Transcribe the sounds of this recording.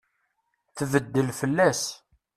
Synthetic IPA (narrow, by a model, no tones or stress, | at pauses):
θvəd̪ːəlfəlːæs